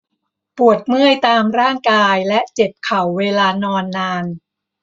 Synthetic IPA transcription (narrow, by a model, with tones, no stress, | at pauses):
pu˨˩ət̪̚mɯ˥˩əjt̪aː˧mɾaː˥˩ŋkaː˧jlɛ˦˥ʔt͡ɕe˨˩p̚kʰa˨˩˦wːeː˧laː˧nɔː˧nːaː˧n